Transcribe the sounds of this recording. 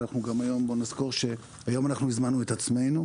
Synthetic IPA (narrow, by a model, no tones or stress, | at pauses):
naχnuɡamajo̞mbo̞nizko̞ʁʃe̞ | ajo̞manaχnuizmanːuet̪at͡sme̞jnu